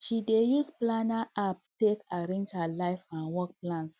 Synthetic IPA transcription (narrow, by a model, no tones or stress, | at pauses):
ʃidejusplanaʔap̚tekaɾẽnd͡ʒhalaɪfãnwɔk̚plãns